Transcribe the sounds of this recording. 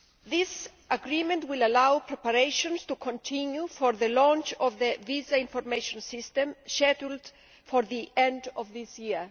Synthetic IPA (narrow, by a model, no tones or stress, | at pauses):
ðis | aɡɾimẽntwilalawpʰɾɛpaɾeʃõnst̪ukʰõnt̪ʰĩnjufoɾðəlɔ̃nt͡ʃɔvðəvizaĩnfoɾmeʃõnsist̪ẽmʃɛtuld | foɾðiʔɛ̃ndɔvðisji